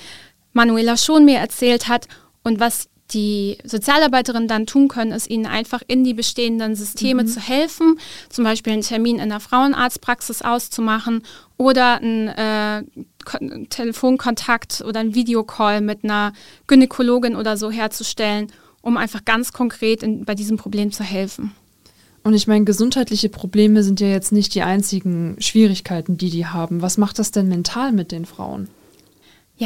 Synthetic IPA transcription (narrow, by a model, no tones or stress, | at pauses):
manueːlaʃoːnmiːɐʔɛɐt͡sɛːlthat | ʔʊntv̥as | d̥iːzot͡sjaːlaɐbaɪtəʁ̞ɪnəndantʰuːnkʰœnənɪstʔiːnənʔa̰ɪnfaχʔɪndiːbəʃteːəndənzʏstʰeːmət͡suhɛlfn̩t͡sʊmbaɪʃpiːlntʰɛɐmiːnɪ̰ndeɐfʁ̥aʊənʔa̰ɐt͡stpʁ̥aksɪsʔa̰ʊst͡sumaχn̩ʔoːdɐn̩ʔɛːkʰtʰeləfoːnkʰɔntʰaktʰʔo̰ːdɐnviːdeokʰɔlmɪtnɐɡ̥ynekʰoloːɡɪnʔoːdɐzoːɦeːɐt͡suʃtɛlən | ʔʊmʔaɪnfaχɡ̥ant͡skʰɔŋkʁ̥eːtɪnbaɪdiːzəm̩pʁ̥obleːmt͡suɦɛlfn̩ | ʔʊntɪçmaɪnəɡəzʊnthaɪtlɪçəpʁ̥obleːməzɪntjaːjɛt͡stnɪçt̚d̥iːʔaɪnt͡sɪɡŋ̩ʃv̥iːʁɪçkʰaɪtn̩diːdiːɦaːbm̩vasmaχt̚d̥asd̥ɛnmɛntʰaːlmɪt̚d̥eːnfʁ̥a̰ʊən | ja